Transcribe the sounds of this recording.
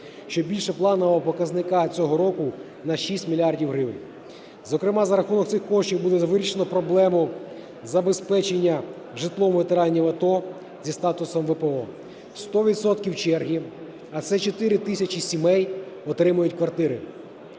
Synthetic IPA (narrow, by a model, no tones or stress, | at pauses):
ʃt͡ʃɔbʲilʲʃɛplˠɑnɔʋɔpɔkɐznɪkɑt͡sʲɔɦɔɾɔkʊ | nɐʃisʲtʲmʲilʲiɑrdʲiwɦɾɪʋɪnʲ | zɔkɾɪmɑzɐɾɐxunɔk̚t̪sɪxkɔʃt͡ʃʲiwbud̪ɛzʋɪɾʲiʃenɔpɾɔblˠɛmʊ | zɐbespɛt͡ʃenʲːɐ | ʒɪt̪lˠɔmʋet̪eɾɑnʲːiʋɐt̪ɔ | zʲist̪ɑt̪ʊsɔmʋepeɔ | st̪ɔʋʲit̪sɔt̪kʲiwt͡ʃɛrɦʲi | ɐsɛt͡ʃɔt̪ɪɾɪt̪ɪsʲɐt͡ʃisʲimɛjɔt̪ɾɪmɐjʊtʲkʋɐrt̪ɪɾɪ